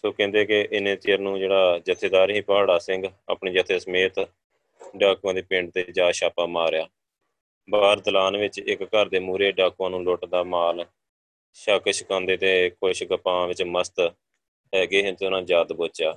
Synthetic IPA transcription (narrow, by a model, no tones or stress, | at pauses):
soːkɛ̃ːnd̪eːkɪʔɪnẽːt̪iːəɾnũːd͡ʒeːɽaːd͡ʒət̪ʰːeːd̪aːɾɦĩːpɦaːɽaːsɪ̃ŋɡa̰ːpɳeːd͡ʒət̪ʰːeːsəmeːt̪ | ɖaːkuãːd̪iːpɪ̃ɳɖt̪eːd͡ʒaːʃaːpaːmaːɾjaː | baːɾd̪əlaːnʋɪt͡ʃɪkːəɾd̪eːmuːɾeːɖaːkuãːnũːloːʈd̪aːmaːl | ʃəkʃəkãːnd̪eːt̪eːkʰoʃɡəpãːʋɪt͡ʃməst̪ | ɦɛːɡeːɦt̪eːʊnãːd͡ʒaːd̪boːt͡ʃjaː